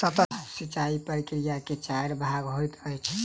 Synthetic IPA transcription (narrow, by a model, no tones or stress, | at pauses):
t̪ət̪əsit͡ʃaipəɾikɾijaket͡ʃaɾbʱaɡɦojt̪əjt͡ʃʰ